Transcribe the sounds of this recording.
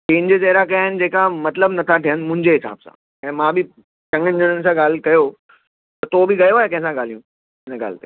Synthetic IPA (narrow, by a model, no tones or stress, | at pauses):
t͡ɕẽːnd͡ʑet͡ɕɐɦɾakɐjaːɦɪnɪ̆d͡ʑeːkamɐt̪ləbnɐt̪ʰaʈijənɪ̆mʊ̃ɦɪ̃ɲd͡ʑeɦɪsa̰ːbsã̰ | ɛ̃ːmãbɪ | t͡ɕɐ̃ŋənɪd͡ʑənənɪ̆sãɠaːl̤kɐjo | t̪ɐt̪obɪɡɐjoaːekɐ̃ɦɪ̃sãɡaːlijũ | ɪnəɡa̰ːl̤t̪e